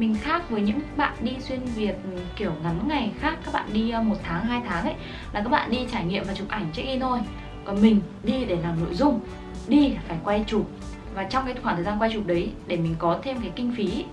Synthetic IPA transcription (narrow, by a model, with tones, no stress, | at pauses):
mï˨˩ŋ̟xaː˦˥k̚vəː˨˦jɲɨ̰˧˥ŋ̚ɓa̰ː˧˨nɗi˧swi˧ənvi˨˩ət̚ki˧˩əwŋa˨˦nŋa˨˩jxaː˦˥k̚ːaː˦˥k̚ɓa̰ː˧˨nɗi˧mo˨˩t̚t̪ʰaː˨˦ŋɦaː˧jt̪ʰaː˨˦ŋʔə˧˦j | la˨˩kaː˦˥k̚ɓa̰ː˧˨nɗi˧t͡ɕaː˧˩jŋḭ˧˨ə˨mvaː˨˩t͡ɕɨ˨˩k̚ʔa˧˩jŋ̟t͡ɕa˦˥k̚ɗi˧t̪ʰo˧j | kɔ˨˩nmï˨˩ŋ̟ | ɗi˧ɗe˧˩laː˨˩mno̰˧˨jzʊ˧ŋ͡m | ɗi˧˨˩faː˧˩jkwa˧jt͡ɕu˨˩p̚ | vaː˨˩t͡ɕɔ˧wŋ͡mkaː˨˦j̪xaː˧˩t̪ʰːzaː˧nkwjt͡ɕu˨˩p̚ɗə˨˦jɗe˧˩mï̟˨˩kɔ˨˦t̪ʰe˧mkaː˨˦jkï˧ŋ̟fi˨˦